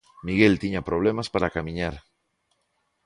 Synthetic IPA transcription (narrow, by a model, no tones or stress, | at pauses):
miɣelt̪iɲapɾoβ̞lemaspaɾakamĩɲaɾ